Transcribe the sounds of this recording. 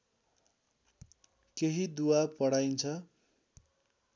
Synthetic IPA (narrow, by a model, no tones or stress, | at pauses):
keɦid̪uwapʌɽajnt͡sʰʌ